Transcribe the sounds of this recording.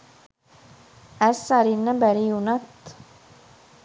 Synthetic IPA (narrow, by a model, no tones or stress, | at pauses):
æɾsɑɾɪnəbæɾijunɑt̪